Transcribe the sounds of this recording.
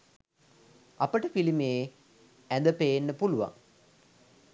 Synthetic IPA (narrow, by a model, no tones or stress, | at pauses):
apəʈəpilimeː | ænd̪əpejenːəpuluʋa̰ŋ